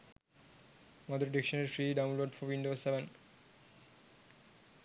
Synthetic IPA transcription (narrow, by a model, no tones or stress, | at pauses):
mɔd̪oɾɖikʃoneɾfɾiɖawnloɖfɔɾwiɳɖoseben